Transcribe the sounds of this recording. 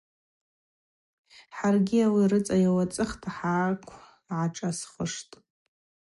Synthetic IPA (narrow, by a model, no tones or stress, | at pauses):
ħarɡʲiawirɨt͡sʼajawat͡sʼɨχtʰaħaːkʷʰ | ʕaʈ͡ʂʼasχəʂtʼ